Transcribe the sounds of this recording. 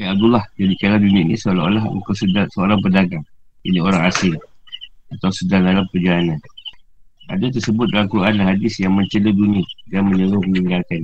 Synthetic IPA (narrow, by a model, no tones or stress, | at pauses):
ajab̚d̪ulɑhd͡ʒadikaladunianisəlaolaɦṵt̪uʔsədasəoɾaŋpədaɡaŋ | ḭnioɾaŋasɪl | at̪awsədandalampəd͡ʒalanan | ʔa̰dat̪ərsəbʊt̪̚dalamkuɾʔanlaɦadɪsjaŋməɲt͡ʃələduniadanməɲəɾʊhməniŋɡalkan